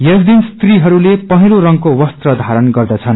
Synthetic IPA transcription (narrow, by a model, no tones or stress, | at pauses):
jʌsd̪inst̪riɦʌɾulepʌɦiloɾʌŋkowʌst̪rʌd̪ʱaɾʌnɡʌrd̪ʌt͡sʰʌn